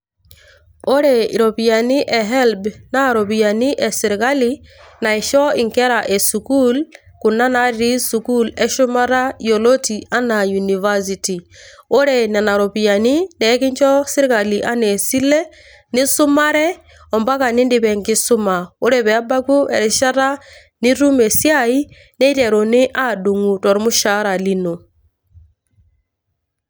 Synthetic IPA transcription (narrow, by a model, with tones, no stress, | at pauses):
o˦ɾe˨i˨ɾo˨pi˨ja˨ni˦ʔɛ˨ɦɛ˦lbna˦˨ɾo˨pi˨ja˨ni˦ʔɛ˨si˨ɾɡa˦li˦na˨i˨ʃɔ˦i˨ŋkɛ˦ɾa˨ʔe˨su˨ku˦l | ku˨na˦na˦ɾi˦su˨ku˦lɛ˦ʃu˦ma˦ɾa˦jo˨lo˦ti˨a˦na˨ju˨ni˨va˦si˨ti˨o˦ɾe˨nɛ˨na˨ɾo˨pi˨ja˨ni˦nɛ˨˦kɪ˦ɲd͡ʒɔ˦sɪ˦ɾi˦ka˨li˨ʔa˦ne˨si˦lɛ˦ | nɪ˦sʊ˦ma˦ɾɛ˦ | ɔ˨mba˦ka˨nɪ˦ndɪ˨pɛ˨ŋɡɪ˦sʊ˦ma˨o˦ɾɛpɛ˨a˦ba˦ku˦ɛ̰˨ɾɪ˨ʃa˦ɾa˦ | nɪ˦ɾu˦me˨sja˦i˦ | nɛ˦i˦tɛ˨ɾo˨nɪ˦ʔa˦du˨ŋu˨tɔ˨ɾmu˦ʃa˨˦ɾa˨li˦no˨